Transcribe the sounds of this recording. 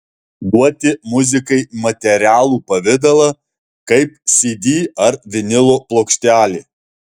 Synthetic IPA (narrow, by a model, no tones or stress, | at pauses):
ɡ̪uɔt̪ʲɪmʊzʲɪkɐɪmɐt̪ʲɛɾʲæːlˠuːpɐʋʲɪd̪ɐlˠɐ | kɐɪpsʲiːd̪ʲiːɐɾʋʲɪnʲɪlˠoːplˠoːkʃʲt̪ʲæːlʲeː